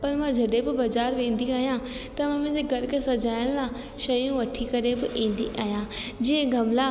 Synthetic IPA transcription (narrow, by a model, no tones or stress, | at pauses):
pɐɾmãd͡ʑʱɐɗebɪbɐzaːɾʋẽːn̆d̪iaːɦijã | t̪ɐmãːmẽːd͡ʑeɡɐɾkesɐd͡ʑaːɪɽ̃lã | ʃɐjũʋɐʈʰikɐɾebɪʔĩːnd̪iʔaːɦijãːd͡ʑĩːə̃ɡʱɐmla